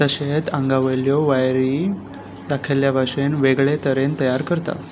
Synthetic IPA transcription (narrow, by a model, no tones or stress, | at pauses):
t̪əɕet̪ãŋɡaʋəljoʋajɾi | d̪akʰeljabʱaʂenʋeɡɭet̪əɾent̪əjaɾkəɾt̪a̰